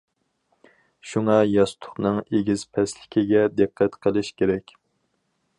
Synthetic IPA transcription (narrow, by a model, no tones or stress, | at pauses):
ʃuŋɑjɑst̪ʰʊ̥χnɨŋeɡʲiz̥pʰɛslɪkʲʰiɡʲɛd̪ɨqʰːæt̪qʰəlˠɨʃkʲʰeɾɛkʲ